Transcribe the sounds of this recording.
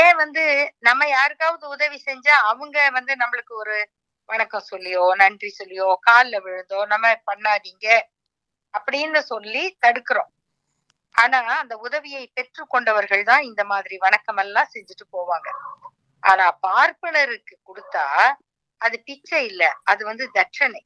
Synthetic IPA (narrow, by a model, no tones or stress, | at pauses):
ẽːʋɐnd̪ɯnɐmːɐjaːɾɯkːaːʋɐðɯʊðɐʋisɛɲd͡ʒãːɐʋɯŋɡɐʋɐnd̪ɯnɐmːɐɭɯkːɯɔɾɯ | ʋɐɳɐkːɐ̃sɔlːɪjoːnɐɳɖrisɔlːɪjoːkaːllɐʋɪɻɯnd̪oːnɐmːɐpɐɳːaːniːŋɡɐ | ɐpːɐɽɪjnɐsɔlːit̪ɐɽɯkːɪɾõː | ʔaːnaːɐnd̪ɐʊðɐʋɪjɐɪpɛʈrɯkɔɳɖɐʋɐɾɣɐɭt̪ãːɪnd̪ɐmaːðɪɾiʋɐnɐkːɐmɛlːãːsɛɲd͡ʒɯʈːɯpoːʋaːŋɡɐ | ʔaːnaːpaːɾpɐɭɐɾɯkːɯkʊɽɯt̪ːaː | ɐðɯpɪt͡ʃːɐɪlːɐɐðɯʋɐnd̪ɯd̪ɐʈʂɐnɐɪ